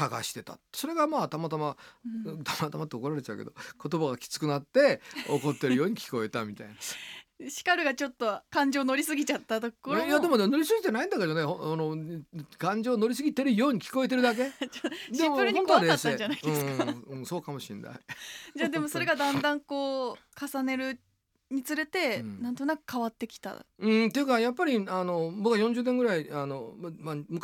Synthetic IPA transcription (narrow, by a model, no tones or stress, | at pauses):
saɡa̰ɕi̥t̪e̞t̪a̰t̪ːe̥so̞ɾe̞ɡamaːt̪amat̪ama | t̪amat̪amat̪ːeoko̞ɾaɾe̞t͡ɕa̟ked̪o̞̰ko̞t̪o̞baɡakʲi̥t͡sɨ̥kɯ̟nat̪ːe̞o̰ko̞t̪ːe̞ɾɯjo̞ːɲ̟ikʲi̥ko̞e̞t̪amʲit̪a̰inaɕi̥kaɾɯ̟ɡat͡ɕo̞t̪ːo̞kãɲ̟d͡ʑo̞ːno̞ɾʲisɨɡʲit͡ɕat̪ːat̪ooɾjad̪e̞mo̞d̪emno̞ɾʲis̬ɨɡʲit̪e̞naĩnd̪aked͡ʑanehnokãɲ̟d͡ʑo̞ːno̞ɾʲis̬ɨɡʲit̪e̞ɾɯjo̞ːɲ̟ikʲi̥ko̞e̞t̪e̞ɾɯd̪ak̬e̞d͡ʑad̪eĩmoɯɾɯiõnt̪oad̪easeɲd͡ʑanaid̪eɯ̃sɨkaɯ̃so̞ːkamo̞ɕḭ̃nːa̰id͡ʑaːd̪e̞mo̞soɾe̞ɡad̪ãnd̪ãŋko̞ːkasane̞ɾɯ̟ | ɲ̟it͡sɨɾe̞t̪e̞nãnt̪o̞nakɯ̟̥kʰaβat̪ːe̞kʲi̥t̪a̰ɯ̟̃t̪e̞jɯ̟kajapːaɾʲiano̞bokːajõɲd͡ʑɨːneŋɡɯ̟ɾaiano̞mamamɯ̟k